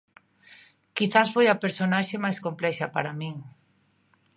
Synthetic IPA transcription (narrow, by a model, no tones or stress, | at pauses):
kiθasfojapeɾsonaʃemajskomplɛʃapa̰ɾamĩŋ